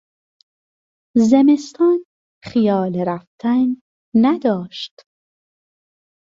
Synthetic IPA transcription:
zeme̞st̪ʰɒːn | χijɒːleɾæft̪ʰænː | æd̪ɒːʃt̪

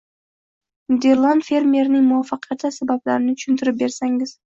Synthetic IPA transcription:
d̪e̞ɾlˠanfe̞ɾmʲe̞ɾnɪŋmʊwafːɑqʰjat̪asabablaɾɪnɪt̪ʰʊ̥ʃʊnt̪ʰɪɾɪp̚be̞ɾsaŋɪz̥

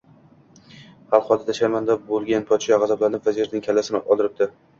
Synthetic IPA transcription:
halˠqɒd̪at̪ʰaʃaɾmand̪abolˠɡʲanpʰɒt̪ʃaʁɑzablanɪpvaziɾnɪŋkʲʰalːasɪnɪɒlˠd̪ɪɾɪp̚d̪ɪ

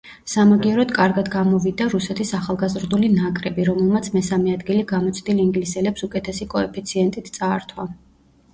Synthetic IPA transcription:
samaɡiɛɾɔd̪kʼaɾɡad̪ɡamɔvid̪aɾusɛt̪ʰisaχalˠɡazɾd̪ulinakʼɾɛbiɾɔmɛlˠmat̪sʰmɛsamɛad̪ɡiliɡamɔt̪sʰd̪iliŋɡlisɛlɛpsukʼɛt̪ʰɛsikʼɔɛpʰit̪sʰiɛnt̪ʼit̪ʰt̪sʼaːɾt̪ʰwa

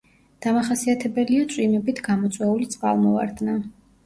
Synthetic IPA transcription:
d̪̥amaχasiat̪ʰɛbɛliat̪sʼwimɛbit̪ʰɡamɔt̪sʼwɛulit̪sʼqʼa̰lˠmɔva̰ɾd̪na

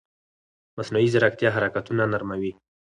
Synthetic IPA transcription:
masnuizɪɾak̚t̪jɑɦaɾakat̪unanaɾmawi

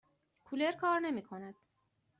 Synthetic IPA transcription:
kʰule̞ɾkʰɒːɾne̞miːkʰo̞næd̪̥

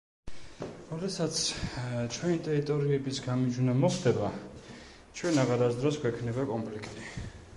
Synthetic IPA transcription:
ɾɔd̪ɛsat̪sʰt͡ʃʰwɛnit̪ʼɛɾit̪ʼɔɾiɛbisɡamid͡ʒunamɔχd̪ɛba | t͡ʃʰwɛnaʁaɾasd̪ɾɔsɡwɛkʰnɛbakʼɔmpʰlikʰt̪ʼi

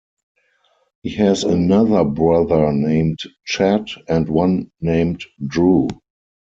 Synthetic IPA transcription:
hiːhɛzənaðə˞bɹaðə˞nẽɪ̃mtt͡ʃætɛ̃ntwãnːẽɪ̃mtdɹu

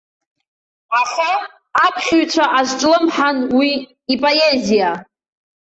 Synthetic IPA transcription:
aχaː | pʰχʲɥt͡ʃʷʰaʔaʒʷʈ͡ʂʼlɨmħanwi | ipʼoezija

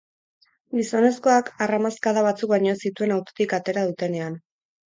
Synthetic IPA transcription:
ɡiso̞ne̞sko̞akaramaskaðaβat͡suk̚baɲo̞esit̪ue̞nawt̪o̥t̪ikat̪e̞ɾað̞ut̪e̞ne̞an

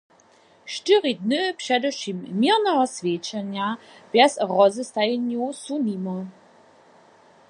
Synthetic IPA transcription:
ʃtɪʁidnɨpʃɛdɛʃimːiʁnɛɦɔsvʲjet͡ʃɛnja | b̥jɛsʁɔzəst̪ajɛnjusunimɔ

